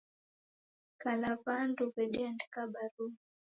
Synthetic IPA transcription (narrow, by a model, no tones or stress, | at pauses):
kalapandupɛɗiandi̥kaɓaɾu